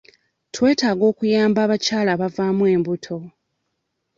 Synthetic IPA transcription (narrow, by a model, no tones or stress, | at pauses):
twe̞ːtaːɡo̞ːkujaːmbaːβacaːlaːβavaːmwe̞ːmbutʰo̞